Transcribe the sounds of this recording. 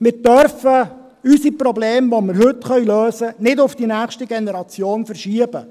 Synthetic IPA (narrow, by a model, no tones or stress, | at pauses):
mɪɾtœɾfə | ysipɾɔbleːmʋomɪɾhɵtχœɥløːsənɪdʊfd̥inæːχʃtiɡenɛɾɑt͡sjoːnfərʃiəbə